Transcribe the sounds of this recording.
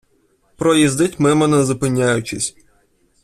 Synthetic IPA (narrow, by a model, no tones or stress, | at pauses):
pɾɔjizd̪ɪtʲmɛmɐnɐzʊpɪnʲːajʊt͡ʃɪsʲ